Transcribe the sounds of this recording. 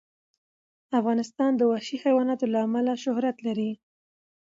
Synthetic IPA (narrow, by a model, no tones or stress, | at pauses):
afɣɑnɪst̪ɑnd̪əwaʃixajwɑnɑt̪olaːmalaʃʊhɾat̪laɾi